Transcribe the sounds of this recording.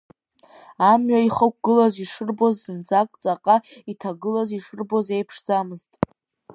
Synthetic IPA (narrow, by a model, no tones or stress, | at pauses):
amɥaiχək̚ʷɡ̥ɨlaziʂɨrbozːɨnt͡sʰʼakʼt͡sʼaqʼaitʰaɡɨlaziʂɨrboze̞jpʰʂd͡zamɨztʼ